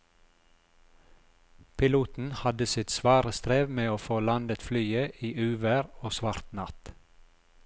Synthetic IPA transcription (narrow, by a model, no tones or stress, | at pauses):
pʰɪluːt̪n̩hɑd̪əsɪt̪sʋɑːɾəst̪ɾeːʋmeːoːfoːlɑnd̪ət̪flyːəʔiːʔʉːʋæɾoːsʋɑɾt̪nɑt̪